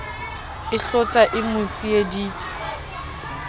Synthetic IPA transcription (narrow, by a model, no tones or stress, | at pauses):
ɪɬʊt͡sʼaʔɪmʊt͡sʼijediːt͡sʼḁ